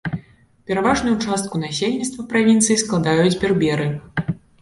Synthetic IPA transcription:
pʲɛɾavaʐnujut͡ʂast̪̚kunasʲelʲnʲit̪st̪vɐpɾavʲint̪sɨjisklˠad̪ajud͡zʲbʲɛrbʲɛɾɨ

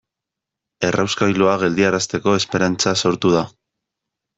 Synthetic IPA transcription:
e̞rʔawskajluaɣ̞e̞ld̪iaɾast̪e̞ko̞e̞spe̞ɾant͡saso̞ɾt̪uð̞a

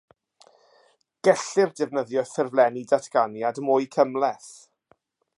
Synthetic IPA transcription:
ɡ̥ɛɬɪrdɛvnəðjɔθɛrvlˠɛnidatʰɡ̥anjadmʊːjkʰəmlɛθ

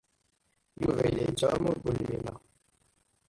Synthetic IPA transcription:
juvelet͡ʃɔmubulmima̰

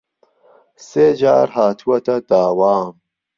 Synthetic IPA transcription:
seːd͡ʒaːɾɦaːt̪ʰuwɐt̪ɐd̪̥aːwaːm

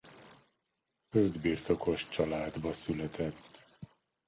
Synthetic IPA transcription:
høld̪biːrt̪o̞ko̞ʃt͡ʃɒlaːd̪bɒsylɛt̪ɛt̪ː

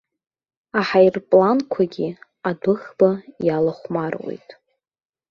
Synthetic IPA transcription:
aħajrpʼlankʷʰaɡʲi | adʊχb̥ajalaχʷmarwḛjtʼ

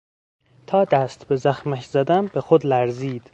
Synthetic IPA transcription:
t̪ʰɒːd̪æst̪be̞zæxmæcʰz̥æd̪ænbexod̪læɾziːd̪̥

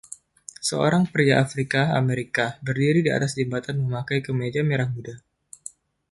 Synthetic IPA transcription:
səo̰ɾaŋpəɾjaʔafɾikaa̰meɾikabərdiɾidia̰t̪asd͡ʒəmbat̪anməmakajkəmed͡ʒameɾahmuda

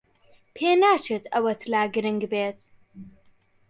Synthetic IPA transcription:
pʰeːnaːt͡ʃʰet̪ʰɐwɐt̪ʰlaːɡɨɾɨŋɡbeːt̪

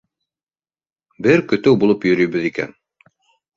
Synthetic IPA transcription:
bɘɾkɵ̆t̪ɘwbulˠɤpjɵ̆ɾɵ̆jbɘðikæ̰n

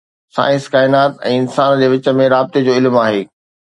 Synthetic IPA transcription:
sa̰ːɪ̃skaːɪnaːt̪ɛ̰̃ːɪnsaːnd͡ʑeːʋɪt͡ɕə̆mẽɾaːbɪt̪ed͡ʑoːɪlmaːɦeː

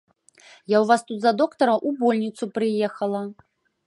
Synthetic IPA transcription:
jawvast̪ut̪zɐd̪ɔkt̪ɐɾɐʔubɔlʲnʲit̪supɾɨjɛxɐlˠɐ

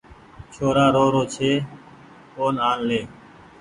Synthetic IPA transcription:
t͡ʃʰoːɾaːɾoːɾoːt͡ʃʰeː | koːnaːnleː

